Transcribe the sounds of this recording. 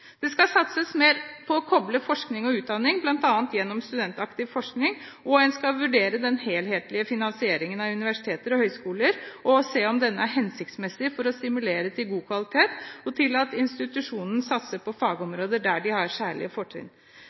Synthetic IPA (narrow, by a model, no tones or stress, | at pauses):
d̪̥ɛskɑsɑt̪səsmeːɾpʰɔːkʰɔbləfɔʂknɪŋɔʉːt̪̚d̪ɑnːɪŋblɑnt̪ɑːənt̪jɛnːɔmst̪ʉd̪ɛnt̪ɑkt̪ɪʋfɔʂknɪŋʔɔɛnskɑʋʉɖeːɾəd̪ɛnheːlheːt̪lɪəfɪnɑnsɪeːɾɪŋənɑʉnɪʋæʂɪ̥t̪ʰeːt̪əɾɔhœʏskuːləɾʔɔseːɔmd̪ɛnːəæɾɦɛnsɪk̚t̪smɛsɪfɔɾɔst̪ɪmʉleːɾət̪ʰɪlɡuːkʰʋɑlɪt̪ʰeːt̪ɔt̪ʰɪlɑt̪ɪnst̪ɪt̪ʉʂuːnən̩sɑt̪səpʰɔfɑːɡəɔmɾoːd̪əɖæɖɪhɑɾʂæːɭɪ̰əfɔʈʰːḭːn